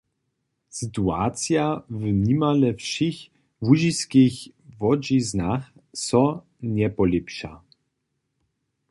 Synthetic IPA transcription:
sɘt̪ua̰t̪sjavmɲimalɛfʂix | vuʑiskʲixvɔd͡ʑiznax | sɔ̃ | ɲɛpɔlʲipʂa̰

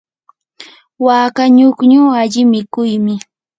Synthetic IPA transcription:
waːkaɲʊkɲuːaʎɪmɪkʊjmɪ

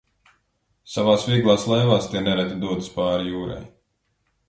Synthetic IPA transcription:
savaːsvʲiɛɡlˠaːslˠɛjvaːst̪ʲiɛnɛɾat̪id̪uɔt̪spaːɾijuːɾa̰j

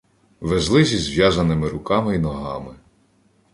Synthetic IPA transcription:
ʋezlˠɪzʲizʋʲjazɐnɪmɪɾʊkɑmɪinɔɦɑ̰mɪ

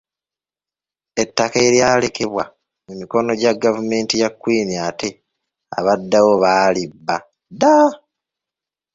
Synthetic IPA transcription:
e̞tːakeɾjaːle̞ke̞βwa | mumiko̞no̞ɟaɡːavume̞ːntijakːwiːniate̞ | a̰βadːawo̞βaːlibːa̰ | da

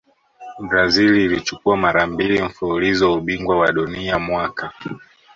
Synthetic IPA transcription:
bɾaziliːlit͡ʃu̥kuamaɾambiliɱ̩fuulizɔuɓiŋɡwawaɗuniamwaka

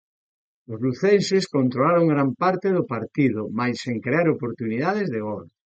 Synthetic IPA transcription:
ʊzluθenseskont̪ɾolaɾoŋɡɾampaɾt̪eðopaɾt̪iðʊmajsːeŋkɾeaɾopoɾt̪uniðaðezðeɣoɾ

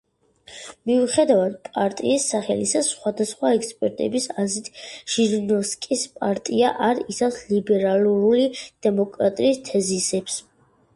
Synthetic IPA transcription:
miuχɛd̪avad̪̚pʼaɾt̪ʼḭːsːaχɛ̰lisasχwad̪asχwaɛkspʼɛɾt̪ʼɛ̰bisazit̪ʰʒ̥iɾnɔfskʼispʼaɾt̪ʼiaʔaɾisafslibɛɾaluɾulid̪̥ɛmɔkʼɾat̪ʼiːst̪ʰɛzisɛps

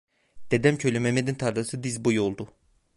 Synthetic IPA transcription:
d̪̥ed̪æmcʰøjlʲemɛmed̪int̪ʰaɾd̪ɯsɯd̪izbojolˠd̪u

